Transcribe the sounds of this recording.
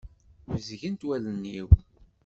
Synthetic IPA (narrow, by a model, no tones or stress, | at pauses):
vəzʝənt̪wælənːiw